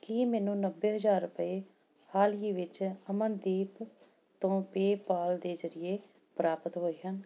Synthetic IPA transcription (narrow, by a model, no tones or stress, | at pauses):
kiːmɛːnũːnəbːeːɦəd͡ʒaːɾːʊpəeː | haːliːʋɪt͡ʃəmənd̪iːp | t̪õːpeːpaːld̪eːzəɾɪeː | pɾaːpət̪ɦoːiːɦən